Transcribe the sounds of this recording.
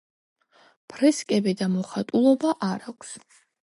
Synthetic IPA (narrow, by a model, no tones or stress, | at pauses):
pʰɾɛskʼɛbid̪amɔχat̪ʼulˠɔbaʔaɾakʷʰs